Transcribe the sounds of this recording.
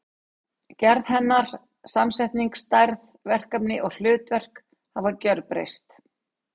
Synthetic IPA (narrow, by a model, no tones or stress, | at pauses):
cɛɾðɦɛnːaɾ̥ | samsajht̪niŋkst̪ajɾð | vɛr̥kapnɪʔɔɣl̥ʏːt̪vɛr̥k | havaɾcœɾpɾḛjst̪